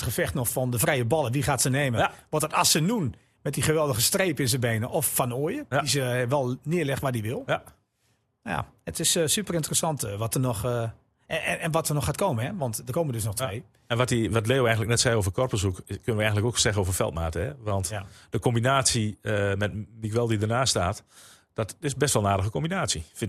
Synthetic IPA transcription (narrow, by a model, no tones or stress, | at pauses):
tχəfɛxtnɔxfɔndəfrɛjəbɔlˠəʋiχaːtsəneːməʋɔtətɔsənun | mɛt̚diχəʋɛlˠdəɣəstreːpɪnsəbeːnəʔɔfːɔnoəjədisəʋɛlˠnɪəlɛxʋat̚diʋɪlˠ | ja̰ətɪssypərɪntərəsɑntʋɔtərnɔx | ɛnʋɔtərnɔxaːt̚koːmənɛʋɑntdərkoːməndøsnɔxteː | ɛnʋɔtiʋɔtleːoɛjŋnlək̚nɛtsɛjoːvərkɔrpəsukkønəʋəɛjɣəntləkoːksɛɣənoːvərfɛ̰lˠtmaːtəɦɛʋɔntd̥əkombinaːsiəmɛtmikʋɛlˠdidərnaːstaːt | d̥ɔtɪsbɛstʋɔlˠnaːdəɣəkombinaːsifɪn